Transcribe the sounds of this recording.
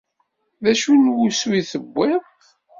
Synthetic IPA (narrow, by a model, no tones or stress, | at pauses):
ðæʃunwuswiθəbːɪðˤ